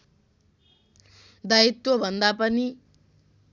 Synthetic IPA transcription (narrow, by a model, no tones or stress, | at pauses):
d̪ait̪wʌbʱʌnd̪apʌni